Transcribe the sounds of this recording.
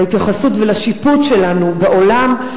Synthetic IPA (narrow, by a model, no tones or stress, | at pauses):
it̪jaχasutvelaʃiputʃe̞lanubeʔo̞lam